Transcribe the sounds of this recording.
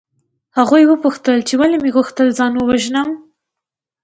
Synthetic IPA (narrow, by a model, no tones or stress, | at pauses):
haɣujwəpuxt̪əlt͡ʃewalemeɣuxt̪əlzɑnwəwaʒnəm